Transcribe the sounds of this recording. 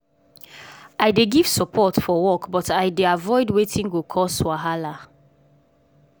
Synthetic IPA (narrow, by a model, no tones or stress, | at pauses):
aɪdeɡiv̥sɔpʰɔtfɔwɔkbɔtaɪdeavɔɪdwetʰĩŋɡokʰɔswaɦala